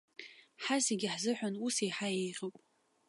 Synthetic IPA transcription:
ħaseɡʲɪħzɨħʷᶣanusejħajejrʲowpʼ

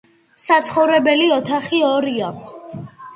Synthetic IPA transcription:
sat̪sʰχɔvɾɛbɛliɔt̪ʰaχiɔɾia

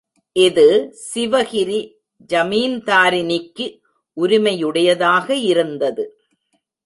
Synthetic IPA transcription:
ʔɪðɯsɪʋɐɣɪɾi | d͡ʒɐmiːnt̪aːɾɪnɪkːɯ | ʔʊɾɪmɐjɯɽɐjɐðaːɣɐɪɾɯnd̪ɐðɯ

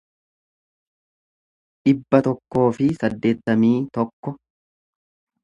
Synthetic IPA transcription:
ᶑɪbːɐt̪ɔkːo̞ːfɪsɐd̪ːe̞ːt̪ːɐmiːt̪ɔkːɔ

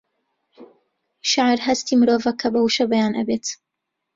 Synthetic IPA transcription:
ʃaʕɾɦɐst̪iːmɾoːvɐkʰɐbɐwuʃɐbɐjaːnʔɐ̰beːt̪

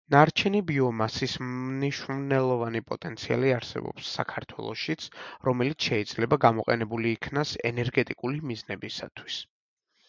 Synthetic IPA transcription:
naɾt͡ʃʰɛnibiɔmasisniʃumnɛlˠɔvanipʼɔt̪ʼɛnt̪sʰia̰liaɾsɛ̰bɔ̰psːa̰kʰaɾt̪ʰwɛ̰lˠɔ̰ʃit̪sʰɾɔmɛlit̪sʰʃɛid̪z̥lɛbaɡamɔqʼɛnɛbuliːkʰnasɛ̰nɛɾɡɛt̪ʼikʼulimiznɛbisa̰t̪ʰwis

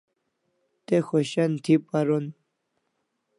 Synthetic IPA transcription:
t̪exoɕant̪ʰipaɾon

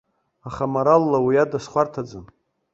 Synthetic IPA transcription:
aχamaɾalːawiadasχʷartʰad͡zɨn

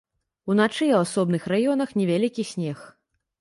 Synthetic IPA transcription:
unat͡ʂɨawasɔbnɨxrajɔn̪ɐxnʲɛvʲalʲikʲisʲnʲɛx

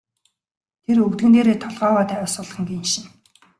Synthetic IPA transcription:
t̪ʰerɵkt̪ɘ̆nt̪eːɾeːt̪ʰɔɮʁœːwaːt̪æːʊsʊːɮχə̆ŋɡenʃɪ̆n

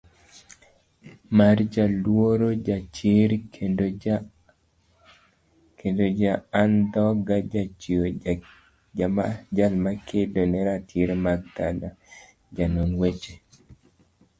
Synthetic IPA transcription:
mard͡ʒalwoɾod͡ʒat͡ʃɪɾd | kendod͡ʒaand̪ɔɡad͡ʒat͡ʃio | ad͡ʒalmakʰedonɛɾatʰɪɾmaɡ̚d̪ala | d͡ʒanonwet͡ʃe

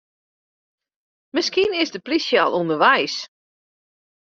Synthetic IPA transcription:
mɪskiənɪsdəplisjalˠundərʋɛjs

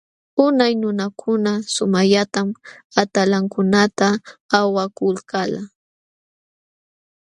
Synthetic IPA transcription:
ʊnajnʊnakʰʊnasʊmaʎat̪amat̪alaŋkʊnat̪aːwakʊlkala

